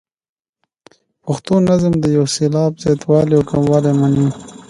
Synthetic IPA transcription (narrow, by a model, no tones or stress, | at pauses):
pʊxt̪onazəmd̪əjawselɑːbz̥ɑt̪wɑːliakamwɑːlemani